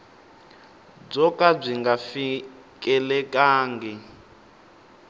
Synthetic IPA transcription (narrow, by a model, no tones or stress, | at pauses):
b͡ʐɔkʼab͡ʐʷiŋɡafi | kʼɛlɛkʼaːŋɡɛ